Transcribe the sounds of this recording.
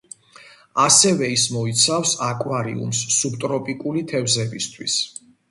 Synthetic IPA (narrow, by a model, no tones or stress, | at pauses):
asɛvɛismɔit̪sʰafsakʼwaɾḭṵmsːubt̪ʼɾɔpʼikʼulit̪ʰɛvzɛbist̪ʰwḭs